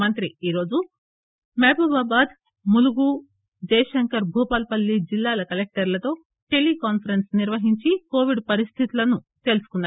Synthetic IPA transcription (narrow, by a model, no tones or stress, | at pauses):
mɐnt̪ɾiiːɾo̞ːd͡ʒu | meːbɐbaːbaːd̪ | muluɡu | d͡ʒɐjɐʂɐŋkɐɾbʱuːpaːlpɐlːid͡ʒilːaːlɐkɐlek̚ʈɐɾlɐt̪o̞ː | ʈe̞lːikaːnpʰɐɾensniɾʋɐɦiɲt͡ʃiko̞ːʋiɖpɐɾist̪ʰit̪ulɐnu | t̪e̞ːlusu̥kunːaː